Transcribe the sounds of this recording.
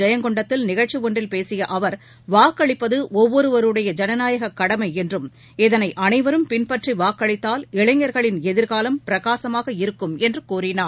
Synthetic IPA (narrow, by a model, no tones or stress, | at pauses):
ɐjɐŋɡɔɳɖɐt̪ːɪlnɪɣɐɻt͡ʃiʋɔɳɖrɪlpeːsɪjɐʔɐʋɐɾ | ʋaːkːɐɭɪpːɐðɯʔɔʋːɔɾɯʋɐɾɯɽɐjɐd͡ʒɐnɐnaːjɐɣɐkːɐɽɐmɐɪɛndrɯm | ɪðɐnɐɪʔɐnɐɪʋɐɾɯmpɪnpɐʈriʋaːkːɐɭɪt̪ːaːlɪɭɐɲːɐɾɣɐɭɪnɛðɪɾɣaːlɐmpɪɾɐɣaːsɐmaːɣɐɪɾɯkːɯmɛndrɯkuːrɪnaːɾ